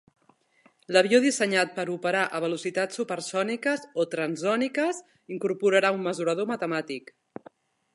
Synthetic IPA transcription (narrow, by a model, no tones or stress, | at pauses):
ləβ̞ioðisəɲat̪̚pəɾupəɾaʔəβ̞əlusit̪at͡sːupəɾsɔnikəzot̪ɾənzɔnikəz | iŋkuɾpuɾəɾaumːəzuɾəð̞omət̪əmat̪ik